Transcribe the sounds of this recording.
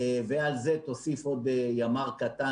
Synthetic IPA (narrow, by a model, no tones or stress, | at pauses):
vealzet̪osifo̞d̪̚ejamaʁkat̪a